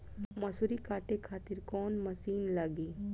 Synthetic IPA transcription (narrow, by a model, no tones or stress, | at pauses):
mɐsuɾikaːʈekʰaːt̪iɾkɔːnmɐsiːnlaːɡiː